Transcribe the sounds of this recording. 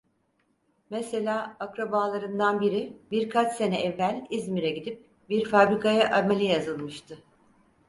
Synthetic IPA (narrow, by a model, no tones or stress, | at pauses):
mese̞lʲaːakɾabaːlˠaɾɯnd̪anbiɾibiɾkʰat͡ʃse̞nɛʔɛvːælʲizmiɾɛɟid̪ip̚ | biɾfabɾikʰajaʔamelʲijazɯlˠmɯʃt̪ʰɯ